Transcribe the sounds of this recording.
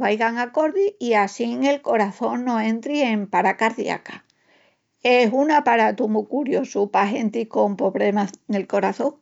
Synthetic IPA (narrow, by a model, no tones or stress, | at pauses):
βajɣaŋako̞ɾðiiasiŋe̞lko̞ɾaθõ̞ŋnõ̞ẽ̞nt̪ɾie̞mpaɾakaɾðj̰a̰ka | e̞sunapaɾat̪umukuɾjo̞supaɦe̞nt̪iko̞mpo̞βlemane̞lko̞ɾaθo̞ŋ